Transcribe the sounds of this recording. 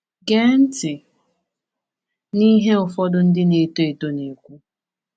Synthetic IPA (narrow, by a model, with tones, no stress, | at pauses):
ɡe˦n̩˦tɪ˨ | ni˦ɦe˦ʊ˨fɔ˦dʊ˦n̩˦dɪ˦ne˨to˦e˨to˦ne˨kʷu˦